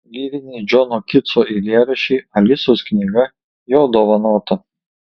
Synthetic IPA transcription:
lʲiːʋʲɪnʲiːd͡ʒʲɔnɔkʲɪt̪sɔʔilʲiɛɾʲɐʃʲiːɐlʲɪsosknʲɪɡɐ | joːd̪ɔʋɐnuːt̪ɐ

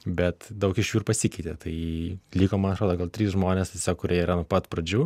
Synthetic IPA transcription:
bʲɛt̪d̪ɐʊkɪʃjuːrpɐsʲɪkʲɛɪt̪ʲeːt̪ɐɪlʲiːkoːmɐnɐt̪ɾoːd̪oːɡɐlˠt̪ʲɾʲiːsʒmoːnʲest̪ʲesʲoːkːʊɾʲiɛiɾɐnʊpɐt̪pɾɐd͡ʒʲuː

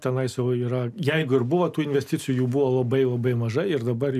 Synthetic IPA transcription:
t̪ʲɛnɐɪsɛʊiːɾɐjɛɪɡʊɪrbʊʋot̪uːɪnʲʋʲɛsʲt̪ʲɪt͡ssʲɪjuːjuːbʊʋoːlˠɐbɐɪlˠɐbɐɪmɐʒɐɪɪrd̪ɐbɐr

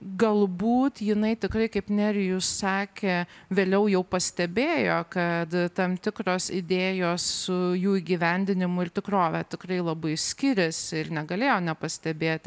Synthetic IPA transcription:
ɡɐlˠbuːt̪jɪnɐɪt̪ʲɪkɾɐɪkɐɪpnʲæɾʲɪjʊssɑːkʲeːʋʲeːlʲɛʊjɛʊpɐsʲt̪ʲɛbʲeːjoːkɐt̪t̪ɐmt̪ʲɪkɾoːsɪd̪ʲeːjoːssʊjuːiːɡʲiʋʲɛnʲd̪ʲɪnʲɪmʊɪrt̪ʲɪkroːʋʲɛt̪ʲɪkɾɐɪlˠɐbɐɪsʲkʲɪɾʲɪsɪrnʲɛɡɐlʲeːjoːnʲɛpɐsʲt̪ʲɛbʲeːt̪ʲ

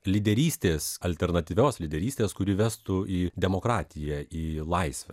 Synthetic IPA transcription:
lʲid̪ʲɛɾʲiːsʲt̪ʲeːsɐlʲt̪ʲɛɾnɐt̪ʲiːʋʲoːslʲɪd̪ʲɛɾʲiːsʲt̪ʲeːskʊɾʲɪʋʲæst̪ʊiːd̪ʲɛmoːkɾɑːt̪ʲɪjɛiːlˠɐɪsʲʋʲɛ̰

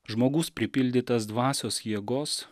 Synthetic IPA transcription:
ʒmoːɡʊspʲɾʲɪpʲɪlʲd̪ʲɪt̪ɐsd̪ʋɑːsʲoːsjiɛɡoːs

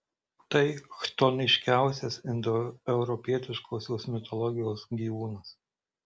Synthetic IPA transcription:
t̪ɐɪxt̪ɔnʲɪʃʲkʲæˑʊsʲɛsɪnd̪ɔɛʊɾɔpʲiɛt̪ʲɪʃkʰoːsʲoːsmʲɪt̪ɔlˠɔɡʲɪjoːsɡʲiːʋuːnɐs

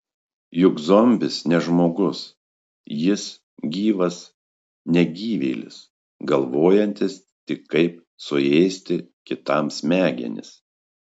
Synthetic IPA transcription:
jʊɡzɔmʲbʲɪsnʲɛʒmoːɡʊs | jɪs | ɡʲiːʋɐs | nʲɛɡʲiːʋʲɛɪlʲɪ̰s | ɡɐlˠʋoːjɛnʲt̪ʲɪs | t̪ʲɪkʰːɐɪp̚ | sʊɛɪsʲt̪ʲɪkʲɪt̪ɐmsʲmʲæːɡʲɛ̰nʲɪ̰s

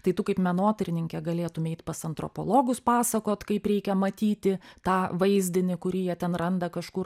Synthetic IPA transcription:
t̪ɐɪt̪ʊkɐɪpmʲɛnoːt̪ɐɾʲɪnʲɪŋʲkʲɛɡɐlʲeːt̪ʊmʲɪɛɪt̪pɐsɐnt̪ɾo̰po̰lˠoːɡʊspɑːsɐkoːt̪kɐɪpɾʲɛɪkʲɛmɐt̪ʲiːt̪ʲɪt̪ɑːʋɐɪzʲd̪ʲɪnʲɪkʊɾʲɪjiɛt̪ʲɛnrɐnd̪ɐkɐʃkʊr

